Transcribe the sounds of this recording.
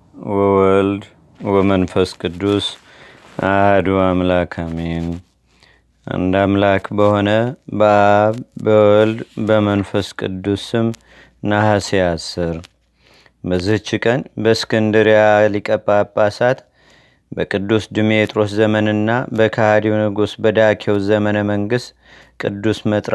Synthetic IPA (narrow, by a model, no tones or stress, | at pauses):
wɔwɔld̪ | wɔmənfəskʼɨd̪ːus | ahd̪uamlakʰamen | ʔa̰nd̪amlakʰbəho̞nəbəʔaβbəwɔld̪bəmənfəskʼɨ̰d̪ːusɨm | nahasijasɨɾ | bəzːɨht͡ʃːikʼənbəskʰɨnd̪ɨɾijalikʼəpʼːapːasat̪ | bəkʼɨd̪ːusd̪ɨmet̪ʼɾo̞szəmənɨnːabəkʰahad̪iwnɨɡosbəd̪akʰewzəmənəməŋɡɨst̪ | kʼɨd̪ːusmət̪ʼɾ